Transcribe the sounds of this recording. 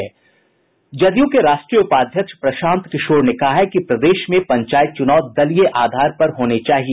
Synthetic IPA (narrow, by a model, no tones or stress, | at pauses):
d͡ʒɐd̪jõkeɾaːʃʈɾijəʊpaːd̪ʱjəkʃpɾɐʃãːnt̪kɪʃoːɾnekɐɦaɦɛkipɾɐd̪eːʃmẽpɐ̃ɲt͡ʃaːjət̪̚t͡ʃʊnaːd̪ɐlijeʔaːd̪ʱaːɾpɐɾɦoːnet͡ʃaːɦie